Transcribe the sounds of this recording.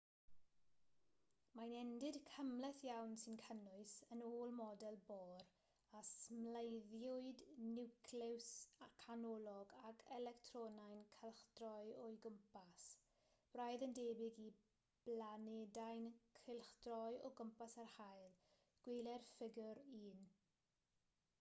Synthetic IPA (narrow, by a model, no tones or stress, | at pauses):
majnɛndɪdkʰəmlɛθjawnsɪnkʰənʊɨsənoːlˠmɔdɛlˠbɔːɾ | asmlejðjʊɨdnɪwkʰlɪwsakʰanɔlˠɔɡakʰɛlɛktʰrɔnajnkʰɛlˠχd̥rɔjɔjɡəmpas | b̥rajðəndeːbɪɡi | b̥lanedajnkʰɪlˠχd̥rɔjɔɡəmpasarhajlˠ | ɡ̥welˠɛrfɪɡjʊɾiːn